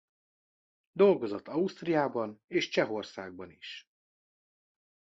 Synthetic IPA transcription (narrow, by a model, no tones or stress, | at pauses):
d̪o̞lɡo̞zot̪ːɒust̪rijaːbɒneːʃt͡ʃɛɦo̞rsaːɡ̚bɒniʃ